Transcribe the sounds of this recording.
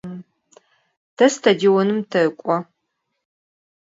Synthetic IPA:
d̥ɐstʰɐdiwɔnɨmtʰɐɨkʷʼɔ

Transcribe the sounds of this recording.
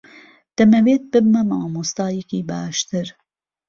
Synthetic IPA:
d̪̥ɐmɐweːt̪̚bɨbmɐmɑːmust̪ɑːjekiːbaːʃt̪ɨɾ

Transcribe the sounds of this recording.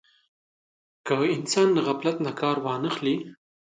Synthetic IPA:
kəɪnsɑnd̪əɣaplat̪nakɑɾwɑnəxli

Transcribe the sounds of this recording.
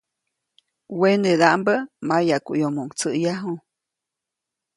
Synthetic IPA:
wened̪aʔmbəmajakuʔjomoŋt͡səʔjaɦu

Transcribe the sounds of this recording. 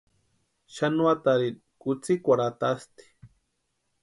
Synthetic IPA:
ʃanuat̪aɾi | kut͡sikʷaɾat̪ast̪i̥

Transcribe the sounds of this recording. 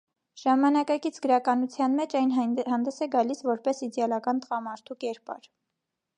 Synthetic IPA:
ʒ̥ɑmɑnɑkɑkit͡sʰɡəɾɑkɑnut͡sʰjɑnmɛt͡ʃɑjnhɑnd̪ɛsɛɡɑlisvɔɾpɛsid̪ɛɑlɑkɑnt̪əʁɑmɑɾt̪ʰukɛɾpɑ̰ɾ

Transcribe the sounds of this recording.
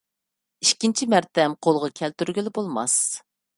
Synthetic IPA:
iʃkʲint͡ʃʰimæɾt̪ɛmqʰolˠʁɑkʲʰɛlt̪yɾɡʲilɪbolˠmɑ̰s

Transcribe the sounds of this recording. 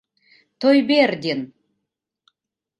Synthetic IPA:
t̪ʰojberd̪ʲen

